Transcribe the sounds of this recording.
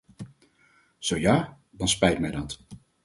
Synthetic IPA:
z̥owjaː | dɑnspɛjtmɛjdɑt

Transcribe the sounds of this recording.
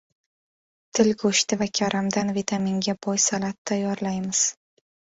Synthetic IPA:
t̪ʰɪlɡoʃt̪ɪvakʲʰaɾʔamd̪anvit̪ʰamiŋɡʲabɒjsalat̪ʰːajɒɾlajmɪz̥

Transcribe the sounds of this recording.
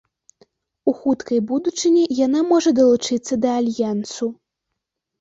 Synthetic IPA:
uxut̪kɐjbud̪ut͡ʂɨnʲijanamɔʐɐd̪ɐlˠut͡ʂɨt̪sːɐd̪ɐːlʲjansu

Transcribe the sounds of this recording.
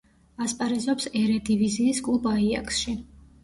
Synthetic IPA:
aspʼaɾɛzɔpsɛɾɛd̪iviziːskʼlˠubaia̰kʼsʃi

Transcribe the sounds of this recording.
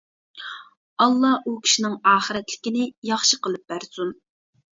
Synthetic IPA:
ɑlˠːɑukʲʰi̥ʃinɪŋɑːχəɾɛt̪lɪ̥kʲɪnɪjɑχʃəqəlˠɨp̚bæɾsun

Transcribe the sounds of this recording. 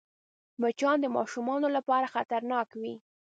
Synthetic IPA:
mat͡ʃɑnd̪əmɑ̰ʃumɑnolapɑɾaxat̪aɾnɑkwi

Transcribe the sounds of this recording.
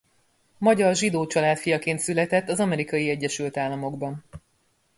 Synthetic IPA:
mɒɟɒrʒid̪oːt͡ʃɒlaːt̪fijɒkeːnt̪sylɛt̪ɛt̪ːɒzɒmɛɾikɒjiɛɟːɛʃylt̪aːlːɒmo̞ɡbɒn

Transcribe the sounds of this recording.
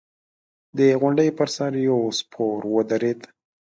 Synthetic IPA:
d̪əɣʊɳɖəjpəɾsaɾjawspʰoɾwəd̪aɾed̪

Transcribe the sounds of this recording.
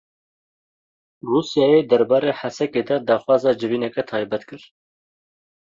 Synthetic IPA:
ruːsjɑːjeːd̪ɛɾbɑːɾeːħæsɛked̪ɑd̪ɑːxwɑːzɑːd͡ʒɨviːnɛkɛt̪ʰɑːjbɛt̪kɨɾ

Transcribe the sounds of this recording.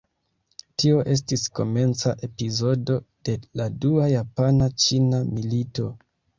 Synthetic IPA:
tio̞ʔe̞s̬tisko̞̰me̞nt͡saʔe̞pizo̞do̞d̥e̞laduajapanat͡ʃinamilito̞

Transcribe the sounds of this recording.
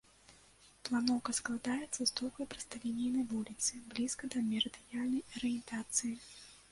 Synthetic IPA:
plˠanɔwkɐsklˠad̪ajɛt̪sɐst̪ɔwkɐjpɾɨ̥st̪alʲinʲijnɐvulʲit̪sɨblʲiskɐd̪ɐmʲɛɾɨd̪ɨjalʲnɐjɐɾɨjɛnt̪at̪sɨji

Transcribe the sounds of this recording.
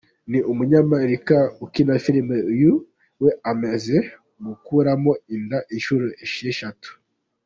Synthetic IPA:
niʔumuɲamaeɾikaukinafilimeju | weameze | mukuɾamoindaʔiʃuɾoeʃieʃatu̥

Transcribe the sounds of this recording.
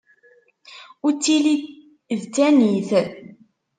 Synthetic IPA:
ʊɾt͡sːili | ðt̪ːæniθ

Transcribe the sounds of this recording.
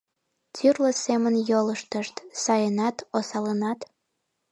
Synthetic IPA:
t͡syrləsemənjoləʃt̪əʃt̪sɑjənɑt̪osɑlənɑt̪

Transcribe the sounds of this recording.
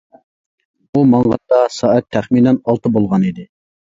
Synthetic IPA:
umɑŋʁɑt̪̚ːɑsɑːɛt̪ʰːæχminɛnɑlˠt̪ɨbolˠʁɑnid̪ɪ

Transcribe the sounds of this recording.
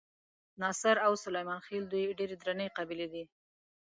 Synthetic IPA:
nɑsɪɾawsʊlajmɑnxeld̪ujɖeɾed̪ɾanəjqɑbiled̪i

